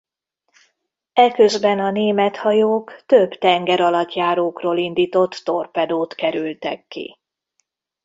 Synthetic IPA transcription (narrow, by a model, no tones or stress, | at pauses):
ɛkøzbɛnɒneːmɛt̪hɒjoːkt̪øbt̪ɛŋɡɛɾɒlɒt̪jaːɾoːkroːlind̪iːt̪o̞t̪ːo̞rpɛd̪oːt̪kɛɾylt̪ɛ̰kːḭ